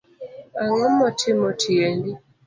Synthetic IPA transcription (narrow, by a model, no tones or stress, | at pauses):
aŋɔmːɔtʰimɔtʰiendi